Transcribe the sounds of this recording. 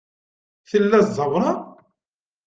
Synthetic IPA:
θəlːæzˤɑwɾˤɑ

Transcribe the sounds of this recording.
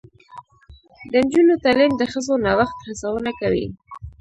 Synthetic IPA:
d̪ənd͡ʒunot̪alimd̪əxəzonawaxt̪xasawənakawḭ

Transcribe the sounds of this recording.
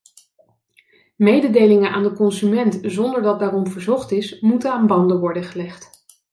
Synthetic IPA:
mejdədejlɪŋənʔa̰ːndəkɔnsymɛntzɔndəɹdɑt̚daːrɔmvəɹzɔχtɪsmutəaːnbɑndəʋɔɹdənχəlɛχt

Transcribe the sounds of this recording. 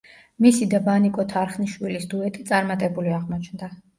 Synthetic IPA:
misid̪abanikʼɔt̪ʰaɾχniʃwilisd̪uɛt̪ʼit̪sʼaɾmat̪ʼɛbuliaʁmɔt͡ʃʰnd̪a

